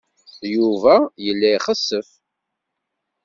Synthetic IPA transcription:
juvæjəlːæiχəsːəf

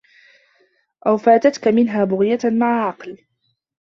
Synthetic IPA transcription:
ʔawfaːt̪at̪kamɪnɦaːbʊɣɪjamaʕʕɑql

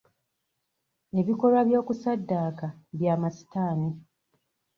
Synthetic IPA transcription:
e̞βiko̞lwaβjo̞ːkusadːaːkaβjaːmasi̥taːni

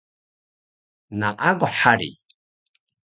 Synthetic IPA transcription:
naʔaɡɔħaɾḭ

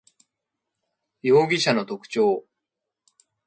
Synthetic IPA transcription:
jo̞ːɡʲiɕano̞t̪o̞kɯ̟̥t͡ɕo̞ː

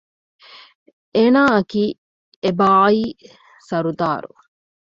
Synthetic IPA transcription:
ʔeːnaːɐkiː | ebaːiː | sɐɾud̪aːɾṵ

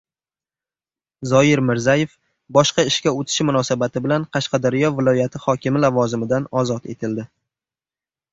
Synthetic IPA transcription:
zɒjɪɾmɪɾzaje̞f | bɒʃqɑɪʃkʲaot̪ʰɪ̥ʃmʊnɒsabat̪ʰɪbɪlanqʰɑʃqɑd̪aɾɪjɒvɪlˠɒjat̪ʰɪhɒkʲʰɪmɪlavɒzɪmɪd̪anɒzɒt̪e̞̰t̪ʰɪld̪ɪ

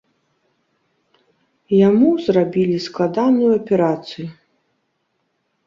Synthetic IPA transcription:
jamuzrabʲilʲisklˠad̪anujuɐpʲɛɾat̪sɨju

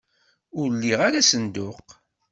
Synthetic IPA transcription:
ʊɾlːiʁaɾasənd̪ʊq

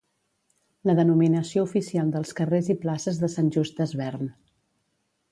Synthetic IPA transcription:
ləðənuminəsioufisialˠd̪əlˠskəreziplasəzðəsanʲʒus̚d̪əzβɛrn

